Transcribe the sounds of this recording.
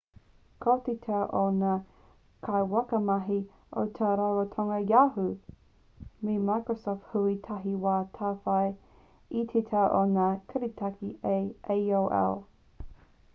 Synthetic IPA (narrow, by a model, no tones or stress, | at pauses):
kʰotitʰɐʔona | kʰajwɐkɐmɐɦi | ʔot̪ʰaɾawotʰoŋɐjaːɦu | mimajkɹosɔft̪̚huitʰɐɦiwaːt̪ʰaːfɐj | itʰetʰɐʔonaːkʰɐɾitʰɐkiejejowʔɛ̰o